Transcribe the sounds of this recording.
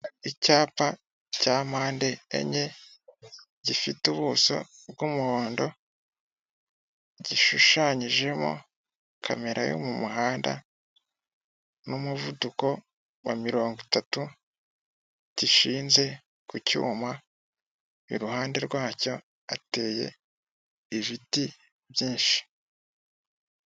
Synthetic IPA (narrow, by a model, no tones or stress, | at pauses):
icaːpa | caːmaːnde̞̰ːɲe̞ | ɟifituβuso̞̰ | bɡumuhoːndo̞ | ɟiʃuʃaɲiʒe̞mo̰ | kʰa̰me̞ɾʔa̰jo̰mumuɦaːnda̰ | numuvuduko̞ | wamiɾo̞ːŋɡitatu | ciʃiːnze̞ | kucṵːma | iɾuhaːnde̞ɾɡwaːco̞ | ate̞ːje̞̰ː | βiti | βjiːnʃi̥